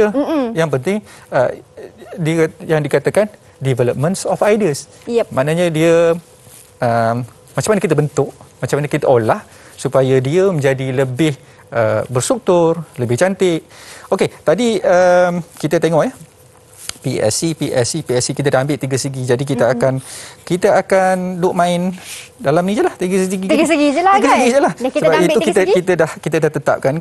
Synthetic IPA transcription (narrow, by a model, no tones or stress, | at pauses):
əjaŋp̬ənt̪ɪŋə | dijaŋdikat̪akan | divɛləp̚mə̃nsɔfajdiəs | manaɲadiə | ʔəm | mat͡ʃamanakit̪abənt̪ʊʔmat͡ʃamanakit̪aʔolah | supajadiəmə̃ɲd͡ʒadiləbɪh | ʔəbərst̪ɾuk̚t̪ʊrləbɪhd͡ʒant̪ɪʔoket̪adiəmkit̪ət̪eŋɔʔjə | piɛ̰sipiʔɛ̰sipiɛsikit̪ədahambɪlʔt̪iɡəsəɡid͡ʒadik̬it̪əakankit̪əakandʊʔmãɪndalamnĩd͡ʒəlaht̪iɡəsəɡiɡik̪ɡsəɡiəɡəsəɡid͡ʒəlahksəbaiukit̪əkit̪ədahkit̪ədaht̪ət̪a̰p̚kan